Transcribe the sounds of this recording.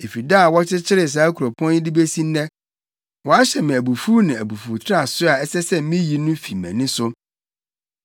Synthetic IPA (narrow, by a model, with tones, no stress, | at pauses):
e˨fi˨daː˦˨wɔ˦t͡ɕʰɪ˦t͡ɕʰɪ˦ɾɪ˨s̬aː˨˦kʰu˨o˨pʰɔ̃˦ni˦di˦be˦sĩ˦n˦nɛ̃˦ | wɔ˨a˦ɕɛ˨mɪ̃˨æ˨bu˨fu˦nɪ̃˨æ˨bu˨fu˨tʰa˦˨sʊ˦a˨ɛ˦sɛ˦sɛ˦mĩ˦ji˨nʊ̃˦fi˨mɛ̰̃˨nɪ̃˦sʊ˦